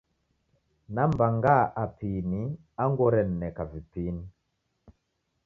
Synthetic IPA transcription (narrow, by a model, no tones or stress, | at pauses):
nambaŋɡaʔapini | aŋɡɔɾɛnːɛkavipini